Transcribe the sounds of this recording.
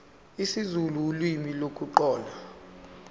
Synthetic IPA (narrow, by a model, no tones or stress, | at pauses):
isizululwimilokʼuǃɔːla